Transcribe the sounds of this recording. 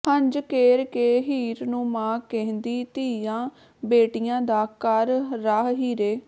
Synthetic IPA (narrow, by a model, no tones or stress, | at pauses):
həɲd͡ʒkeːɾkeːɦiːɾnũːmãːkɛ̃ɦnd̪iːt̪iːjãː | beːʈijãːd̪aːkəɾːaːɦɦiːɾeː